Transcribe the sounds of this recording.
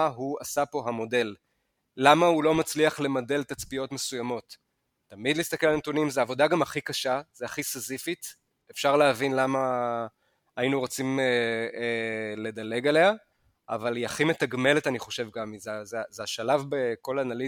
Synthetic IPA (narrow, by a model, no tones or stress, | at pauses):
ɦuasapo̞ɦamo̞de̞lː | amahulo̞mat͡sliaχle̞mode̞lt̪at͡spijo̞tme̞sujamo̞tː | amid̪list̪ake̞lalnet̪unimzeaːvo̞daɡamaχikaʃaz̥eaχisezifit | efʃaʁleavinlama | ainuʁot͡sim | le̞dale̞ɡale̞a | ʔa̰valiaχime̞t̪aɡme̞letaniχo̞ʃe̞vɡamizezezeaʃalavbeko̞lanali